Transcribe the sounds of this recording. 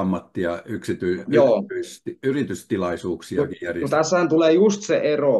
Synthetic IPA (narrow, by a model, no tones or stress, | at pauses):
ɑmːɑt̪ːiɑyksit̪yijoːyit̪iyrit̪yst̪ilɑisuːksikijæreut̪æshænt̪uleːjust̪seʔero